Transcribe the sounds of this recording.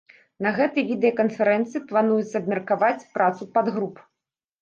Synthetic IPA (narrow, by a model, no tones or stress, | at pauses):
nɐɣɛt̪ɨjvʲid̪ɛjɐkɐnfʲɛɾɛnt̪sɨiplˠan̪ujɛt̪sːɐːbmʲɛrkavat͡sʲpɾat̪supad̪ɣɾup